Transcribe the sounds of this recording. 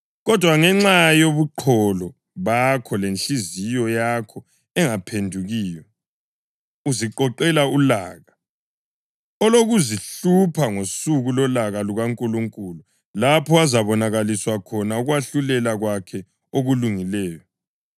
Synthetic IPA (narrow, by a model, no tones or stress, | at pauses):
ɣɔd̥ʱwaŋɛŋ͡ǁajoβuǃʰɔlɔ | βakʰɔlent͡ɬʼizijɔjakʰɔ | ɛŋapʰendʱuɣiːjɔ | uziǃɔǃɛlaulaːɣa | ɔloɣuziɬupʰaŋosuɣulɔlaɣaluɣaŋkʼuluŋkʼulu | lapʰɔwazaβɔnaɣaliswakʰɔnauɣwaɬulɛlaɣwakʰɛ | oɣuluŋilɛːjɔ